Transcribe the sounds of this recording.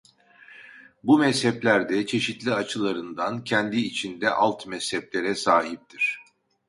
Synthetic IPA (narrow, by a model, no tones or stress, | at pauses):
bumɛshɛplʲæɾd̪ɛt͡ʃʰe̞ʃit̪lʲiat͡ʃʰɯlˠaɾɯnd̪ancʰɛnd̪iːt͡ʃʰind̪ɛʔalˠt̪mɛshɛplʲe̞ɾɛsaːɦip̚t̪ʰiɾ̝̥